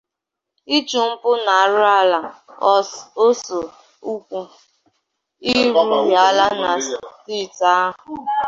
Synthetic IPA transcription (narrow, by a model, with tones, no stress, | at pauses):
i˦t͡ʃʊ˨m̩˦pʊ˦na˨a˨ɾʊ˦a˦la˨˦ | o˦so˨ | u˦kʷu˦ | i˦ɾu˦ja˨la˦na˨sti˦˨ta˦ɦʊ˨